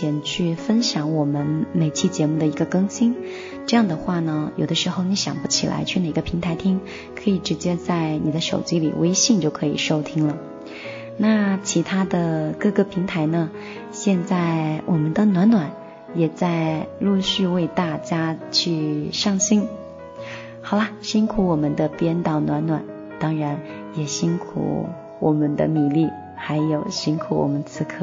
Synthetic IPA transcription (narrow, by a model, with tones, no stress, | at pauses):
ɛ˧˥nt͡ɕʰy˥˩fə˥nɕjɑ˧˥ŋwɔ˨˩mə˦nme˨˩ɪt͡ɕʰi˥˩t͡ɕjɛ˧˥mu˥˩d̪ə˩i˧˥ɡə˧kɤ˥ŋɕi˥n | ʈ͡ʂɤ˥˧jɑ˥˩ŋd̪ə˩xwa˥˩nə˩jo˨˩ʊd̪ə˦ʂɻ̩˧˥xo˥˩ʊni˧˥ɕjɑ̰˨˩ŋpu˥t͡ɕʰi˨˩lʔa̰˧˥ɪt͡ɕʰy˥˩ne˨˩ɪɡə˦pʰi˧˥ŋt̪ʰa˧˥ɪt̪ʰi˥ŋ | kʰɤ˧˥i˨˩ʈ͡ʂɻ̩˧˥t͡ɕjɛ˥t͡sa˥˩ɪni˨˩d̪ə˦ʂo˨˩ʊt͡ɕi˥lḭ˨˩we˥ɪɕi˥˧ŋt͡ɕjo˥˩ʊkʰɤ˧˥ḭ˨˩ʂo˥ʊt̪ʰi˥ŋlə˨ | na˥˩t͡ɕʰi˧˥t̪ʰa˥d̪ə˨kɤ˥˧kə˥˩pʰi˧˥ŋt̪ʰa˧˥ɪnə˧ | ɕjɛ˥˧nt͡sa˥˩ɪwʔɔ˨˩mə˦nd̪ə˧nwa˧˥nnwa˨˩˦n | jɛ˨˩t͡sa˥˧ɪlu˥˧ɕy˥˧we˥˧ɪt̪a˥˩t͡ɕja˥t͡ɕʰy˥˧ʂɑ˥˩ŋɕi˥n | xɑ˨˩ʊlɐ˦ɕi˥nkʰu˧˥wɔ˨˩mə˦nd̪ə˧pjɛ˥nt̪ɑ˥˩ʊnwa˧˥nnwa˨˩˦n | t̪ɑ˥ŋɻa˧˥n | jɛ˨˩ɕi˥nkʰṵ˧˩˦ | wɔ˨˩mə˦nd̪ə̰˧mi˨˩˦li˥˩ | xa˧˥ɪjo˨˩ʊɕi˥nkʰu˧˥wɔ̰˨˩mə˦nt͡sʰɹ̩˧˥kʰɤ˥